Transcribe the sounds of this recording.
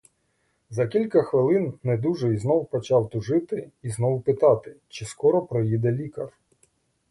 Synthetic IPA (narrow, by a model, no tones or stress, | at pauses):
zɐkʲilʲkɐxʋɪlˠɪnnɛd̪uʒɛiznɔwpɔt͡ʃɑwt̪ʊʒɪt̪ɪiznɔwpɪt̪ɑt̪ɪt͡ʃɪskɔɾɔpɾɔjid̪ɛlʲikɐr